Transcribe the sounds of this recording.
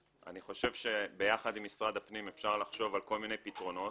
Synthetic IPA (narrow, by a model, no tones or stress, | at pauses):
ʔa̰niχo̞ʃe̞vʃe̞bejaχad̪imːisʁad̪apnimefʃaʁlaχʃo̞valko̞lmine̞jpitʁo̞no̞